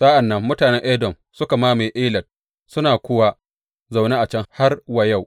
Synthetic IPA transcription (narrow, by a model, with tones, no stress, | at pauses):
sa˦ʔa˨nːɐ˦mːʊ˦taː˨nɛ˦ŋʔɛ˦dɔ˨m | sʊ˦ka˨maː˦meː˨ʔeː˦lɐ˨t̚ | sʊ˦naː˨kʷʊ˦wa˦ | za˨wneː˦ʔa˨t͡ʃɛ˦ŋha˦rwɐ˨ja˦˨w